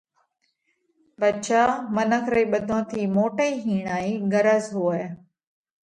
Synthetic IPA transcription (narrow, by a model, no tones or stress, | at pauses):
ʋət͡ʃaːmənəkʰɾəiːɓəd̪ʱõːt̪ʰiːmoːʈəiːɦiːɳ̃aːiːɡəɾəzɦuːe